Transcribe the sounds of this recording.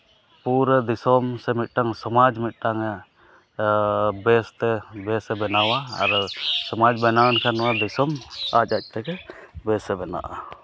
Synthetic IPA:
puɾəd̪isɔmsɛmit̪̚ˀʈaŋsɔmad͡ʒmit̪̚ˀʈaŋa | bɛst̪ɛbɛsɛbɛnawaa̰ɾsɔmad͡ʒbɛnawɛnkʰanɔwad̪isɔmat͡ʃ̚ac̚ˀt̪ɛkɛbɛsɛbɛna̰ʔa

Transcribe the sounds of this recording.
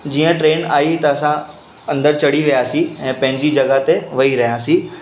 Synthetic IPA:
d͡ʑiːə̃ʈɾeːnaːit̪ɐːsã | ɐ̃nd̪əɾt͡ɕɐɽiʋijaːsĩɛ̃ːpɐ̃ɦɪ̃ɲd͡ʑid͡ʑɐɡat̪eʋɐiɾɐɦijaːsĩː

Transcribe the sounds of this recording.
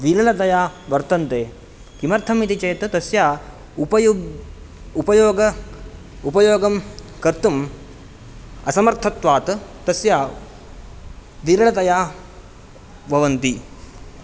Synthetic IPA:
ʋiːlɐlɐt̪ɐjaːʋɐɾt̪ɐnt̪eː | kimɐɾt̪ʰɐmit̪it͡ʃɐjt̪t̪ɐsjaː | pɐ | upɐjoːɡɐ | upɐjoːɡɐm | kɐɾt̪um | ɐsɐmɐɾt̪ʰɐt̪ʋaːt̪t̪ɐsjaː | ʋiːlɐlɐt̪ɐjaː | bʱɐʋɐnt̪i

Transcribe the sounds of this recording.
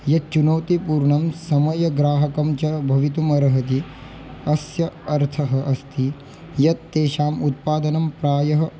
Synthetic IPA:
jɐt͡ʃunɐwt̪ipuːɾɳɐmsɐmɐjɐɡɾaːɦɐkɐmt͡ʃɐbʱɐʋit̪umɐɾɐɦɐt̪̬i | ɐsjɐɐɾt̪ʰɐɦɐ̆ʔɐst̪ʰi | jɐt̪ːeːʃaːmut̪̚paːd̪ɐnɐmpɾaːjɐɦɐ

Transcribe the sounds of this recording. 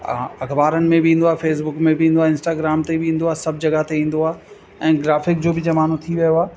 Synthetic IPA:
ɐxbaːɾənɪ̆mẽbɪĩːn̆d̪oaːfeːs̬bʊkmẽbɪĩːn̆d̪oaːɪ̃nsʈaːɡɾaːmt̪ebɪĩːn̆d̪oaːɦsɐb̚d͡ʑɐɡaɦt̪eĩːn̆d̪oaː | ɛ̃ːɡɾaːfɪk̚d͡ʑoːbɪd͡ʑɐmaːn̤ut̪ʰiʋijoaː

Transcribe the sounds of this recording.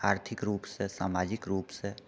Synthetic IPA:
aːɾt̪ʰɪkɾuːpsesa̰ːmaːd͡ʒɪkɾuːpse

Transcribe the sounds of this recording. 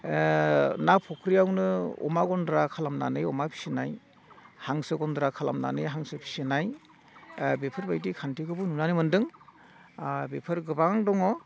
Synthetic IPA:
napʰɔkʰɾiawnɯɔ̰maɡɔndɾakʰalamna̰nɯjɔmapʰi̥sinaj | haŋsɯɡɔndɾakʰala̰mna̰nɯjɦaŋsɯpʰi̥senaj | bepʰɯɾbajdikʰantikʰɯbununanɯmɯndɯŋ | bepʰɯɾɡɯbaŋdɔŋɔ

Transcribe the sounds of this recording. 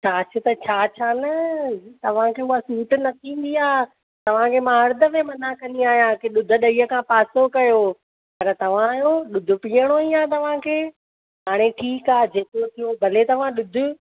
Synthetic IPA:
t͡ɕʰaːt͡ɕʰʊt̪ɐt͡ɕʰaːt͡ɕʰaːnɐt̪ɐʋ̤ãkʰeːʊɦasuːʈnɐt̪ʰĩːn̆d̪iaː | t̪ɐʋ̤ãkʰeːmãɦɐɾd̪əmẽmɐnakɐniaːɦijãkeɗʊd̪ʱə̆ɗɐiːəkʰãpaːsokɐjo | pɐɾt̪ɐʋ̤ãjoɗʊd̪ʱʊ̆piːəɽ̃oijãːt̪ɐʋ̤ãkʰeː | ɦaːɽ̃eʈʰiːkaːd͡ʑeːkot̪ʰijobʱɐlet̪ɐʋ̤ãɗʊd̪ʱʊ̆

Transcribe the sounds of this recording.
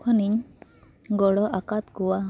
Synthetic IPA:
kʰaniɲ | ɡɔɽɔʔakat̪kɔwa

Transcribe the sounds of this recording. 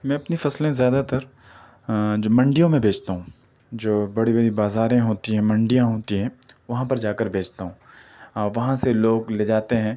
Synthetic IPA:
mɛ̃ːɐpnifɐslẽzjaːd̪at̪ɐɾ | d͡ʒoːmɐ̃ɳɖijõmẽbʱeːd͡ʒt̪aɦũː | d͡ʒoːbɐɽibɐɽibaːzaːɾẽɦoːt̪iɦɛ̃mɐ̃ɳɖijãɦoːt̪iɦɛ̃ːʋɐɦãpɐɾd͡ʒaːkəɾbʱeːd͡ʒt̪aɦũːɔːɾʋɐɦãseloːɡleːd͡ʒaːt̪eɦɛ̃ː

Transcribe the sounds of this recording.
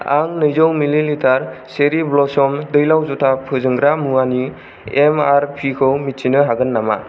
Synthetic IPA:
a̰ŋnɯjzɔwmililitʰaɾseɾiblɔsɔmdɯjlawzutʰapʰɯzɯŋɡɾamuani | emaɾpʰikʰɯwmitsinɯɦaɡɯnːama

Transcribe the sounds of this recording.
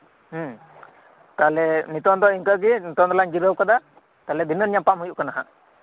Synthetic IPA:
h̩ | t̪alɛnit̪ɔnd̪ɔiŋkəɡinit̪ɔnd̪ɔlaɲd͡ʒiɾəwkad̪a | t̪alɛb̪ʱinəɾɲapamɦujuʔkanaɦa̰ʔ

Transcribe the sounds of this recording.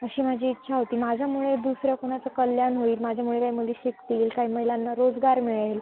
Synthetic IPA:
əɕiːmad͡ʑʱiːtːɕʰaɦot̪iːmad͡ʑʱjamuɭed̪usɾəkunat͡səkəljanɦoiːlmad͡ʑʱjamuɭekajməliɕikt̪iːlkaiməjlanːaɾod͡zɡaɾmiɭel

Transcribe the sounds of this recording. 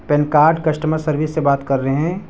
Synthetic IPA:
pɛnkaːɾɖkɐʃʈəməsɐɾʋisːebaːt̪kɐɾːɐɦɦɛ̃ː

